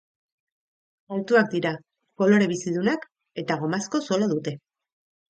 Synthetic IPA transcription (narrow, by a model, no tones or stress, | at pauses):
alt̪uak̚d̪iɾa | ko̞lo̞ɾe̞β̞isiðunak | e̞t̪aɣ̞omasko̞soloðut̪e̞